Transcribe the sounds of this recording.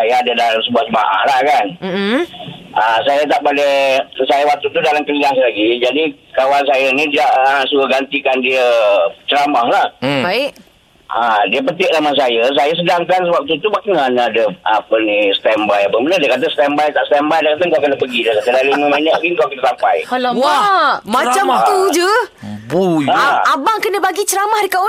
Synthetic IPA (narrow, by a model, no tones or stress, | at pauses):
sajaadədalamsəbuat̪̚səma̰ʔa̰hlahkan | əsajat̪aʔpalesajawak̚t̪ut̪udalamkəliɡaŋs̬alaɡid͡ʒadikawansajənidiaʔəsuɡaɡant̪ikandiət͡ʃəɾamahlah | adiəp̬ət̪ɪʔnamas̬ajəs̬ajəs̬ədaŋkansəbak̚t̪ut̪ubakaŋanaadəapənisə̥t̪ɛmbajapəbənədiəkat̪̬əsə̥t̪ɛmbajt̪aʔsət̪ɛmbajdakat̪aŋkawkənapəɡidiəkat̪ədaliməmaɲaʔɡiŋkawkit̪asamppajwamaamt̪ud͡ʒə | buaabaŋkənə̃baɡit͡ʃəɾamahdikawa